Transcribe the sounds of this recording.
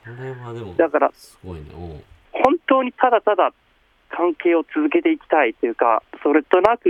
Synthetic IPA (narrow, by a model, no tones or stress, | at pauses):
d̪akaɾa | hõ̞nt̪o̞ːɲ̟it̪ad̪at̪ad̪a | kʰãŋke̞ːo̞t͡sɨzɨk̬e̞t̪e̞ikʲi̥t̪ait̪ːojɯ̟ka̰so̞ɾe̞t̪o̞nakɯ̟